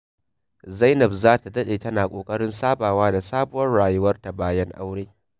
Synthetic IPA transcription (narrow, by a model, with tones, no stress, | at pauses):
za˦jnɐ˨bzaː˦ta˨dɐ˦ɗeː˨tɐ˦naː˨kʷʼoː˨kʼɐ˦ɽɪ˦nsaː˦baː˨waː˦da˨saː˦bʊ˦wɐ˦rɽaː˨jʊ˦wɐ˦rta˨baː˦jɐ˦ŋʔa̰˦wɽeː˦